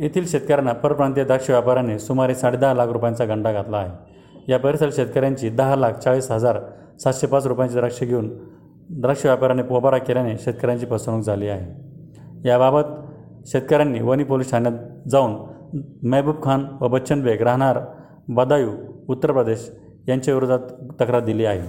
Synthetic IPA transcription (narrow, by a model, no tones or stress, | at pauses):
jet̪ʰiːlɕet̪kəɾjanːapəɾəpɾãnt̪̬jad̪ɾəkʂəʋjapaɾjanesumaɾesaɽed̪əɦalakʰɾupjãnt͡saɡəɳɖaɡʱat̪laːɦe | japəɾisəlɕet̪̚kəɾjaɲt͡ɕiːd̪əɦalak̚ʰt͡saɭiːsɦəd͡zaɾ | sat̪ɕepat͡sɾupjãnt͡ɕid̪ɾəkʂəɡʱeuːn | d̪ɾəkʂəʋjapaɾanepobaɾakeljaneɕet̪̚kəɾjãɲt͡ɕiːpəsuɽ̃ukd͡zʱaliːaɦe | jababət̪ | ɕet̪̚kəɾjanːiːʋənipolisʈʰanjat̪d͡zauːnməbup̚kʰanʋəbətːɕənbeɡɾaɦɽ̃aɾ | bəd̪ajuːut̪ːəɾpɾəd̪eɕ | jaɲt͡ɕaʋiɾod̪ʱat̪t̪ːəkɾaɾd̪iliːaɦe